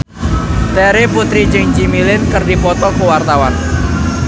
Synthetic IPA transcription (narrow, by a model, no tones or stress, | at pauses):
t̪ɛɾeput̪ɾid͡ʒɪŋd͡ʒimilɪnkərdipɔt̪ɔkuwart̪awan